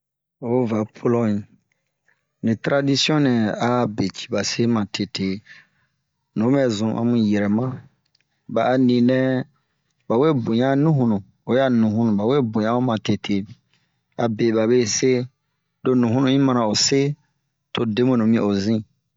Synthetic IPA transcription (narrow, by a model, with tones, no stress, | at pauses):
o˨˦va˨pʰo˦lɔ˦ĩ˨ | nĩ˨tɾa˨di˦si˦ɔ̃˦nɛ̃˨a˨˦˨be˨t͡ʃi̥˨ba˨se˦mã˨tʰe˨tʰe˨ | nõ˨˦mɛ˨zũ˨ʔa̰˨mũ˦jɛ˨ɾɛ˨mã˦ | ba˨a˨nĩ˨nɛ̃˦ | ba˨we˦bo˨ɲã˦nũ˦ɦũ˨nũ˨ | o˨ja˦˨nũ˨ɦũ˦nũ˨ba˨we˦bõ˨ɲã˦o˦mã˨te˨tʰe˨ | a˨be˨ba˨βe˦se˦ | do˦nũ˨ɦũ˦ũ˨ĩ˦mã˦nã˨o˨se˦ | tʰo˨de˦mũ˦˨nõ˨mĩ˦˨o˨zĩ˦˨